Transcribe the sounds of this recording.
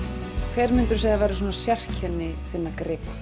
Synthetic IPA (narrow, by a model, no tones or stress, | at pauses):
kʰvɛːɾmʏnt̪ʏɾ̥saːɣðavɛːɾɪs̬uːnasjɛr̥cʰɛnːɪθɪnːakɾɪːp